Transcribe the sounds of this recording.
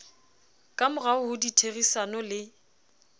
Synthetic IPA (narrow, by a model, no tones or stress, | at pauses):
kʼamʊraʊhʊditʰerisanɔlɪ